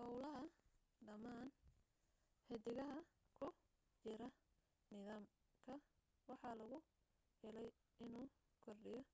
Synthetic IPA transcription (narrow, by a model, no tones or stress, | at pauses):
hɔwlɐɦɐ | ɖɐmaːn | hɛd̪ɪɣɐɦɐkʰʊ | t͡ʃɪɾɐ | nɪðaːm | kʰɐ | wɑħɑlɐɣʊ | hɛlɛj | ɪnuː | kʰɔrɖɪjɔ